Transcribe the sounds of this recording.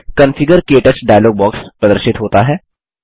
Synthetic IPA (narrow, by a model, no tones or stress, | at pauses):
kɐnfʰɪɡəɾkeːʈət͡ʃɖaːjloːɡ̚bɔːkspɾɐd̪əɾʃɪt̪ɦoːt̪aɦɛː